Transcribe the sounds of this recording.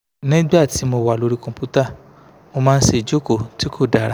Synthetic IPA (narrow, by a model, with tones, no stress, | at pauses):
nĩ˦ɡ͡ba˦˨ti˨˦mo˧wa˨lo˧ɾi˧kɔ̃˧pu˦ta˦˨ | mo˧mãː˦n̩˦ʃe˧˨d͡ʒo˦ko˦˨ti˨˦ko˦˨da˨ɾa˦